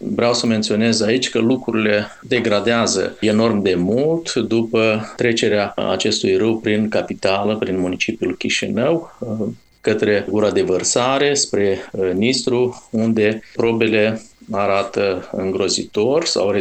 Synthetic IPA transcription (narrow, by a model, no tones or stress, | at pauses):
vɾeawsəme̞nt̪sio̞ne̞zait͡ʃʲkəlukɾuɾile̞ | d̪e̞ɡɾad̪eazə̰e̞no̞rmd̪e̞mult̪d̪upət̪ɾe̞t͡ʃe̞ɾeaa̰t͡ʃe̞st̪ujrɨwpɾinkapit̪aləpɾinmunit͡ʃipjulkʲiʃḭnəw | kət̪ɾe̞ɡuɾad̪e̞vərsaɾe̞spɾe̞nist̪ɾuund̪e̞pɾo̞be̞le̞aɾat̪əɨ̰ŋɡɾo̞zḭt̪o̞rʲsa̰wre